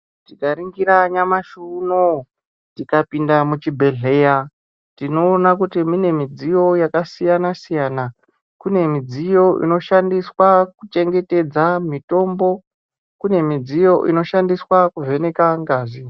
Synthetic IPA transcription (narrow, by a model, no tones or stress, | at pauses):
tikaɾiŋɡiɾaɲamaʃuno | tikapindamut͡ʃibʱe̞ɮe̞ja | tino̞ːnak̬utimine̞mid͡zijo̞jakasijanasijana | kune̞mid͡zijo̞ʔḭno̞ʃandiswakut͡ʃe̞ŋɡe̞te̞d͡zamito̞mbo̞ | kune̞mid͡zijo̞ʔḭno̞ʃandiswakuve̞ne̞kaŋɡaːzi